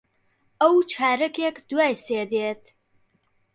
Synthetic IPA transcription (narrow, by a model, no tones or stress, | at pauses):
ɐwt͡ʃʰaːɾɐkekd̪uaːjseːd̪eːt̪